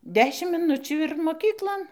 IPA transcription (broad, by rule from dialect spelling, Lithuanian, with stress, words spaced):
ˈdʲæːʃʲɪm mʲɪˈnʊt͡ʃʲuː ɪr moːˈkʲiːklˠoːn